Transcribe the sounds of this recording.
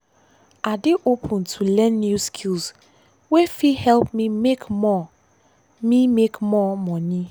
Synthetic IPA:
adiʔopʰɔ̃ntʰulɛ̃nːjuskʰils | wefihɛlp̚mimekmɔ | mimekmɔmɔ̃ni

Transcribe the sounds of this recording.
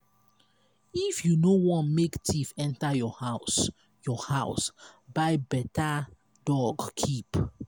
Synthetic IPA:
ifjunowɔ̃nmektʰifɛ̃ntajɔhaʊs | jɔhaʊsbaɪbɛta | dɔɡkʰip

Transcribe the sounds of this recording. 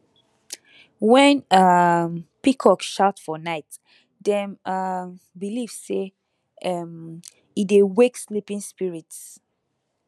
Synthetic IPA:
wɛ̃nampikʰɔkʃatfɔnaɪt | dɛ̃ma | bilivse | am | idewekslipĩŋspiɹits

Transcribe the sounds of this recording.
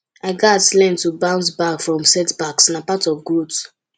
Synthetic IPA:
aɪɡatlɛ̃ntubãʊ̃ntbakfɹɔ̃msɛtbaksnapatɔvɡot

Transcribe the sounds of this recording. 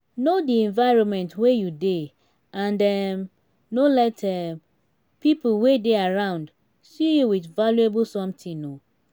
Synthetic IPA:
nodiɛ̃ɱvaɪɹɔ̃nmɛ̃ntwejude | ʔãndɛm | nolɛtʰɛ | piplwedeaɹãʊ̃nd | sijuwidvaljuebl̩sɔ̃mtʰĩno

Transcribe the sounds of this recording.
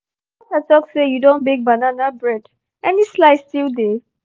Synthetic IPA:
atatɔksejudõnbeɡ̚bananabɹɛd̥ | ɛnislaɪstilde

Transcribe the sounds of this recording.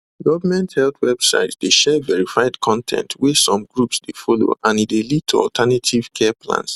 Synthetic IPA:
ɡɔvəmɛ̃nthɛltʰwɛb̥sa̰ɪtsdeʃɛvɛɹifaɪdkʰɔ̃ntʰɛ̰̃ntʰwɛsɔ̃mɡɹupsdefɔlo̰ʔãnidelid̚tʰoɔ̰ltʰanatʰiv̥kʰɛpʰlã̰ns

